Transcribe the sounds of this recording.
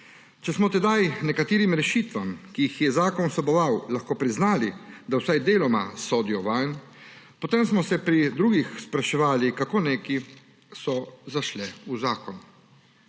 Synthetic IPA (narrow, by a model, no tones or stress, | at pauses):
t͡ʃɛsmɔt̪ɛd̪ajnɛkat̪eːɾimɾɛʃiːt̪ʋamkiixjɛzaːkɔnsɔbɔʋawlaxkoːpɾiznaːlid̪awsajd̪eːlɔmasoːd̪ijɔʋajn | pɔt̪emsmɔsɛpɾid̪ɾuːɡixspɾaʃɛʋaːlikakoːneːki | sɔzaʃlɛuzaːkɔn